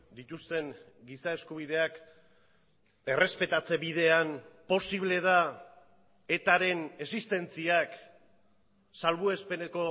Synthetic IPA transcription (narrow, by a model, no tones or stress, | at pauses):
d̪it̪ust̪e̞ŋ | ɡisae̞skuβ̞iðe̞ak | e̞rʔe̞spe̞t̪at͡se̞βiðe̞anpo̞siβ̞le̞ð̞a | e̞t̪aɾe̞ne̞sist̪e̞nt͡siak | salβue̞spe̞neko̞